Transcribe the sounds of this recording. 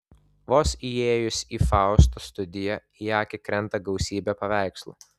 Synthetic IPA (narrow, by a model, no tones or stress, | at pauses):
ʋoːsieːjʊsʲiːfɑˑʊst̪ost̪ʊd̪ʲɪjɛ | jɑːkʲɪkɾʲɛnt̪ɐɡɐʊsʲiːbʲepɐʋʲæˑɪkslˠṵːˑ